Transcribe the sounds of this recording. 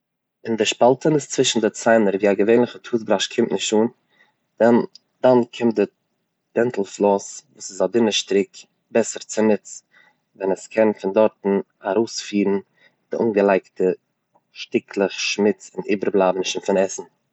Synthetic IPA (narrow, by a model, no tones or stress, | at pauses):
ɪndɪʃpalˠtənɪst͡svɪʃn̩dɪt͡saɪnəɾviːaɡəveɪnlˠɪχətʰuːtbɾaʃkʰɪmtnɪʃtuːn | d̥an | d̥ankʰɪmt̚dɪ | d̥ɛntl̩ˠflˠɔsvuːsɪsadɪnəʃtɾɪk | bɛsəɾt͡sɪnɪt͡s | vɛnəskʰɛnfɪndɔɾtn̩ | aɾoʊsfiːɾn̩ | d̥ɪʔuːnɡəlˠaɪktə | ʃtɪkʰlˠɪχʃmɪt͡sɪniːbəɾblˠaːbn̩ɪʃn̩fɪnɛsn̩